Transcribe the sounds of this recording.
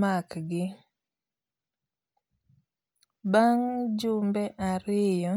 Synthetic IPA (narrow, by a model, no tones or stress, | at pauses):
makɡɪ | baŋd͡ʒʊmbɛʔaɾɪjɔ